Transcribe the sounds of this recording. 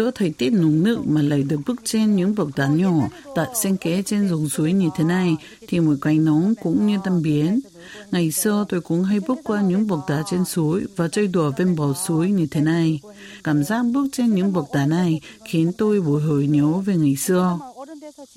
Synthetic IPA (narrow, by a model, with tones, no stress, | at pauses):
zɨ̰˧ət̪ʰə˨˩jt̪i˦˥ət̚nu˨˦ŋnɨ̰˧˨maː˨˩la̰ː˧˨˩jɗɨ˨˩ək̚ɓɨ˦˥ək̚t͡ɕe˧nɲɨ̰˧˥ŋɓk̚t̪aː˨˦ɲɔ˧˩t̪a̰ː˧˨jsɛ˧ŋkɛ˨˦t͡ɕe˧nzʊ˨˩ŋ͡msu˨˦jɲɨ˧t̪ʰe˨˦na˨˩j | t̪ʰi˨˩mo˨˩kwa˨˩jŋ̟nɔ˨˦nkʊ̰˧˥ŋ͡mɲɨ˧t̪a˧mɓi˨˦ən | ŋa˨˩jsɨ˧ət̪o˧jkʊ̰˧˥ŋ͡mɦa˧jɓɨ˦˥ək̚kːwaː˧ɲɨ̰˧˥ŋɓu˨˩k̚ɗ̪aː˨˩t͡ɕe˧nsu˨˦əjvaː˨˩t͡ɕə˧jɗu˨˧˩əve˧nɓɔ˨˩su˨˦əjɲɨ˧t̪ʰe˨˦na˨˩j | kaː˧˩mzaː˦˥k̚ɓɨ˦˥ək̚t͡ɕe˧nɲɨ̰˧˥ŋɓu˨˩k̚ɗ̪aː˨˩na˨˩jxi˨˦ənt̪o˧jɓo˧˩jɦo˧˩jɲɔ˨˦ve˨˩ŋa˨˩jsɨ˧ə